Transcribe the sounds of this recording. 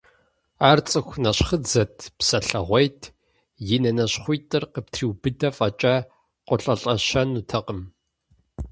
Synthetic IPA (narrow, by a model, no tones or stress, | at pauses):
aːrt͡sʼɨxʷnɐɕχəd͡zɐtʰpsɐɬɐʁʷɐjtʰ | jɪnɐnɐɕχʷʊjtʼɨrqəp̚tʰriːwbɨdɐfɐt͡ʃʼaː | qʷʼɔɬʼɐɬʼɐɕɐnutʰɐqəm